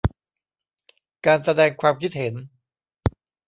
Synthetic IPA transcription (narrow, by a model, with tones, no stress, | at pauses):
kaː˧nsa˧dɛː˧ŋkʰwaː˧mkʰi˦˥t̪̚he˩˦n